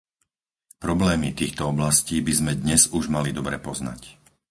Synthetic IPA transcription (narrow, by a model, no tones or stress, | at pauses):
pɾɔblɛːmit̪iːxt̪ɔɔblasciːbizmɛd̪ɲɛzuʒmalid̪ɔbɾɛpɔzna̰c